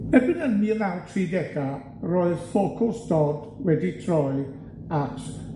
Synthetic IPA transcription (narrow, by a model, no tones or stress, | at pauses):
ɛbɪnənilˠawtʰriːdɛɡa | rɔːɨð̥fokʰʊsd̥ɔːd | wɛditʰrɔɨ | atʰ